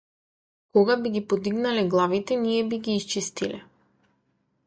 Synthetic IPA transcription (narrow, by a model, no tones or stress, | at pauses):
kɔɡabiɡipɔd̪iɡnalɛɡlˠavit̪ɛnijɛbiɡiːst͡ʃist̪ilɛ